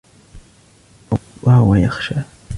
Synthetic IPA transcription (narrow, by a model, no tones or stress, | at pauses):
waːwajɑχʃa